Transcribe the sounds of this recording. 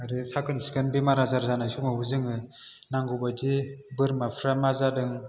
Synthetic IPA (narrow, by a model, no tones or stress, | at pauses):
aɾɯsakɯnsukɯnbimaɾazaɾzanasumaɦuzɯŋɯ | naŋɡubad͡ʒibɯɾmapʰɾamazadɯŋ